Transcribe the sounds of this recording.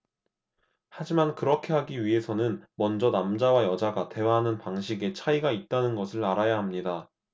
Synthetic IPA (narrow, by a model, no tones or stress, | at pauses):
had͡ʑimankɯɾʌkʰe̞ɦaɡiɥiɦe̞sʰʌnɯnmʌnd͡ʑʌnamd͡ʑawajʌd͡ʑaɡate̞waɦanɯnpaŋɕʰiɡe̞t͡ɕʰaiɡait̚t͈anɯnɡʌsʰɯɭaɾajaɦamɲida